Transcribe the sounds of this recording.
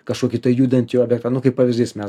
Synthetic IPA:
kɐʃuɔkʲit̪ɐjud̪ʲɛnt̪ʲiɔːbʲjɛk̚t̪anukɐɪppːɐʋʲizʲd̪ʲiːsʲmʲɛ

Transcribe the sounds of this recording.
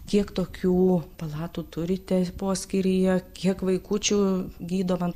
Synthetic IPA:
kʲiɛkt̪oːkʲuːpɐlˠɑːt̪uːt̪ʊɾʲɪt̪ʲɛpoːsʲkʲɪɾʲijɛkʲiɛkʋɐɪkuːt͡ʃʲuːɡʲiːd̪oːmɐn

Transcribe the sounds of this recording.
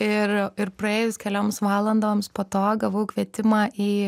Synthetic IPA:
ɪɾɪɾpɾɐeːjʊskʲɛlʲoːmsʋɑːlˠɐnd̪oːmspoːt̪oːɡɐʋɐʊkʋʲiɛt̪ʲɪmɑːʔiː

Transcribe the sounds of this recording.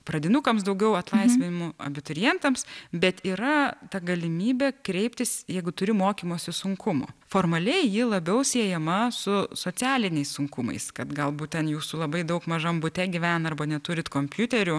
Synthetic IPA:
prɐd̪ʲɪnukɐmsd̪ɐʊɡʲɛʊɐt̪lˠɐɪsʲʋʲɪnʲɪmʊɐ̰bʲɪt̪ʊɾʲɪjɛnt̪ɐmsbʲɛt̪iːɾɐt̪ɐɡɐlʲɪmʲiːbʲɛːkɾʲɛɪp̚ʲt̪ʲɪsjɛɪɡʊt̪ʊɾʲɪmoːkʲiːmoːsʲɪsʊŋkʰʊmʊ̰foːrmɐlʲɛɪjɪlˠɐbʲɛʊsʲiɛjɛmɐsʊsoːt͡sʲæːlʲɪnʲɛɪssʊŋkʊmɐ̰ɪskɐt̪ɡɐlˠbut̪ʲɛnjuːsʊlˠɐbɐɪd̪ɐʊkmɐʒɐmbʊt̪ʲɛɡʲiʋʲænɐrbɐnʲɛt̪ʊɾʲɪt̪koːmʲpʲjut̪ʲɛɾʲʊ

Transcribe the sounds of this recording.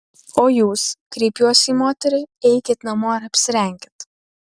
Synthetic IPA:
oːjuːskɾʲɛɪpjuɔsʲiːmoːt̪ʲɛɾʲɪɪɛɪkʲeːt̪nɐmoɐɾɐpʲsʲɪɾʲɛŋʲɡʲɪt̪

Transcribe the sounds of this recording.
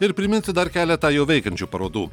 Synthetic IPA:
ɪɾpʲɾʲɪmʲɪnʲsʲɪd̪ɐɾkʲæːlʲɛt̪ɑːjɛʊʋʲɛɪkɐnʲt͡ʃʲuːpɐɾoːd̪uː

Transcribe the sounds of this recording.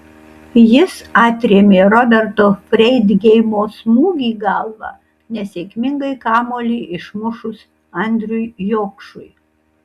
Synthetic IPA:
jɪsɑːt̪ʲɾʲeːmʲeːɾɔbʲɛɾt̪oːfʲɾʲɛɪd̪ʲɡʲɛɪmoːsmuːɡʲiːɡɐlˠʋɑ̰ | nʲɛsʲeːkʲmʲɪŋɡɐɪkɑːmoːlʲeːʔɪʃmʊʃʊs | ɐnʲd̪ʲɾʲʊjjoːkʃʊj

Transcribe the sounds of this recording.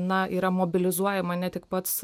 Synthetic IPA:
nɐʔiːɾɐmoːbʲɪlʲɪzuɔjɛmɐnʲɛt̪ʲɪkpɐt̪s

